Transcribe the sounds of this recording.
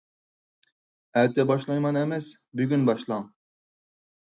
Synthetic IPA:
æt̪ʰɛbɑʃlˠɑjmɑnemɛs | byɡʲynbɑʃlˠɑŋ

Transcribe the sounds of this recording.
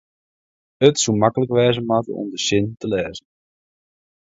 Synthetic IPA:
ətsumakələkʋɛːzəmatə̰ɔ̰mdəʃɪntəlɛːzən

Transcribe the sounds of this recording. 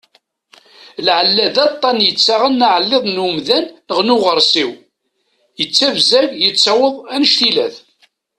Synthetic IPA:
lʕəlːæðɑt̪ˤːɑnjət͡sːaʁənːaʕəlːeðˤnəmðænːəʁnuʁəɾˤsiw | jət͡sːævzæʝjət͡sːɑwəðˤænʃt̪ilæ̰θ

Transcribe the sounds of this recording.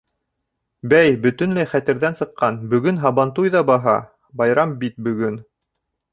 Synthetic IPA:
bæjbɵ̆t̪ɵ̆nlæjχæt̪ɘ̆ɾðænsɤ̆qːɑnbɵ̆ɡɵnɦɑβɑnt̪ujðɑbɑɦɑ̰ | bɑjɾɑmbit̪̚bɵ̆ɡɵn

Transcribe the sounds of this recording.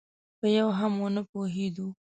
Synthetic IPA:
pəjawɦamonəpoɦed̪u

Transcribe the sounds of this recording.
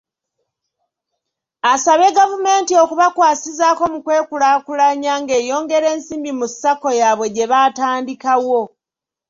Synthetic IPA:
asaβe̞ɡavume̞ːntio̞kuβakwaːsizaːko̞mukwe̞ːkulakulaɲaːŋɡe̞ːjo̞ːŋɡe̞ɾe̞ːnsiːmbimusːako̞jaβwe̞ɟe̞βataːndikawo̞

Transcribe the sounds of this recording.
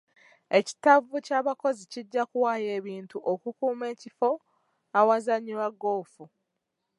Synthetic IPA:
e̞ci̥tavucaːβako̞ziciɟːakuwaje̞ːβiːntuʔokukuːme̞ːcifo̞ | awazaɲiɾwaɡːoːfu

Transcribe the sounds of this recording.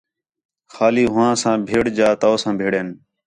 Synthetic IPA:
xaːliːɦʊʋãːsãːbʱeːɽd͡ʒaːt̪oːsãːbʱeːɽeːn

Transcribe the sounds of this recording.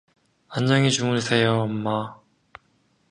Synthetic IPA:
aɲd͡ʑʌŋit͡ɕumunsʰe̞joʌmːa

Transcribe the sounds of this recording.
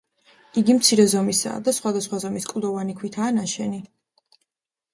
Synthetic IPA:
iɡimt̪sʰiɾɛzɔmisa̰ːd̪asχwad̪asχwazɔmiskʼd̪ɔvanikʰwit̪ʰaːnaʃɛni

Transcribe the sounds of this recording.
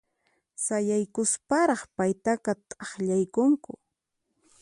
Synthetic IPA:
sajajkʊspaɾɑχpajt̪aqɑt̪ʼɑχʎajkʊŋkʊ̰

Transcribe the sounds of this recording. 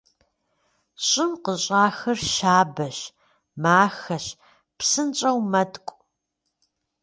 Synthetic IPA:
ɕʼɪmqəɕʼaːxɐrʃaːbɐɕ | maːxɐɕ | psɨnt͡ʃʼɐwmɐtʼkʷʼ

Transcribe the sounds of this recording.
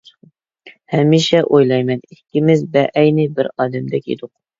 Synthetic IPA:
hɛmːiʃɛʔojlˠɑjmɛnikʲːimɪzbɛʔɛjnɪbɪɾɑːd̪ɛmd̪ɛkʲḛd̪ʊq̚

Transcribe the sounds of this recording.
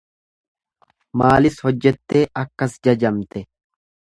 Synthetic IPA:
maːlɪshɔd͡ʒːɛt̪ːe̞ːʔɐkːɐsd͡ʒɐd͡ʒɐmt̪ɛ

